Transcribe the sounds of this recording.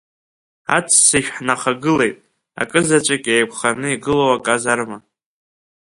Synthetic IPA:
a̰t͡sʰsiʃᶣħnaχaɡɨle̞jtʼ | a̰kʼɨzat͡ʃʷʼakʲʼejpʷʰχanɨiɡɨlowakʼazarma

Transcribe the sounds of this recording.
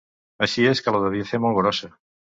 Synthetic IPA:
aʃieskaloðeβjeθemolɣɾosa

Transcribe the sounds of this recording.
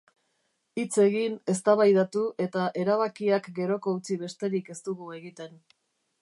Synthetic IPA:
it͡se̞ɣine̞st̪aβajðat̪uʔe̞t̪aʔe̞ɾaβakiakɡe̞ɾo̞ko̞ut͡siβe̞st̪e̞ɾike̞st̪uɣue̞ɣit̪e̞n

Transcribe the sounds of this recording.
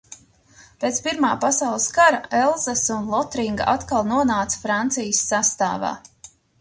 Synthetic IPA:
peːt̪spiɾmaːpasawlˠɨskaɾaɛlˠzasunlˠɔt̪ɾiŋɡaʔat̪kalˠnuɔnaːt̪sfɾant̪sijəsːast̪a̰ːva̰ː

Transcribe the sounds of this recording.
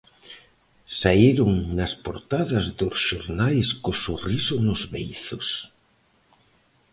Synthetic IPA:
saiɾʊŋnɐspoɾt̪aðɐzðʊsʃoɾnajskosurisʊnʊzβejθʊs

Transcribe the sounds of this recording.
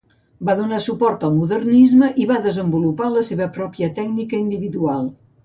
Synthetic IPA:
baðunasupɔɾt̪əlˠmuðərnizməʔiβaðəzəmbulupaləseβəpɾɔpjət̪ɛɡ̚nikəind̪iβiðualˠ

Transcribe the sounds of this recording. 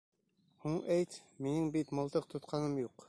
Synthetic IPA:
huɴæjt̪minɘŋbit̪mɤ̆lˠt̪ɤqt̪ʰŏt̪qʰɑnɤmjuq

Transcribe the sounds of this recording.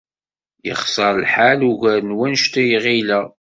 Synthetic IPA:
jə̰χsəɾˤlħaluʝæɾnwænʃt̪æjʁilæ

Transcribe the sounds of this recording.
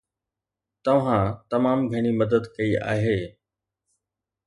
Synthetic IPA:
t̪ɐʋ̤ãt̪ɐmaːmɡʱɐɽ̃imɐd̪əd̪kɐia̰ːɦeː

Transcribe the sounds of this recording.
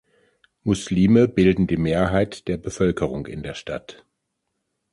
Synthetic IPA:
mʊsliːməbɪldn̩diːmeːɐɦaɪtd̥eːɐbəfœlkʰəʁ̞ʊŋkɪ̰ndeːɐʃta̰t

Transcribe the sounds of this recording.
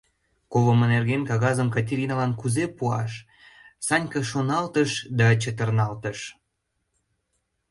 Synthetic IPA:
kovəmənerɣenkɑɣɑzəmkɑtʲeɾʲinalɑnkuzepuɑʃ | sɑnʲkəʃonɑlt̪əʃd̪ɑt͡ɕət̪ərnɑlt̪əʃ

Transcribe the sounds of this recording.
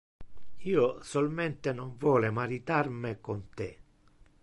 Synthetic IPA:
iːʊsɔlmɛnt̪enɔɱvwɔːlemaɾit̪armɪkont̪ɪ

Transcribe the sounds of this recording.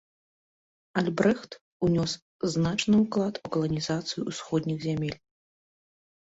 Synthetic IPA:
alʲbɾɛxt̪ | unʲɔs | znat͡ʂnɨuklˠat̪ukɐlˠɐnʲizat̪sɨjuːsxɔd̪ʲnʲiɣzʲamʲɛlʲ

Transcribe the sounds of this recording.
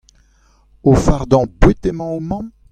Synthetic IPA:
ofaʁd̪ɑ̃bwet̪emɑ̃omɑ̃m

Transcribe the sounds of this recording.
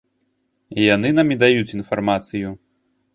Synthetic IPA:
jan̪ɨnamʲid̪ajut͡sʲin̪farmat̪sɨju

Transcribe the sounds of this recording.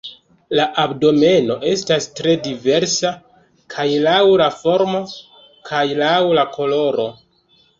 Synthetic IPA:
laʔabdo̞me̞no̞ʔe̞stastɾe̞dive̞ɾsa | kʰajlawlafo̞ɾmo̞ | kʰajlawlakʰo̞lo̞ɾo̞

